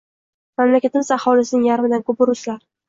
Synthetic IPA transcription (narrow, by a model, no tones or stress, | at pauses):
mamlakʲat̪ɪmɪzahɒlɪsɪnɪŋjaɾmɪd̪ankʰɵpɪɾʊslaɾ